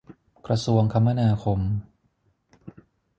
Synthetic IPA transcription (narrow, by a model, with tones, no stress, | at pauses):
kɾa˧su˧əŋkʰa˧mːa˧naː˧kʰo˧m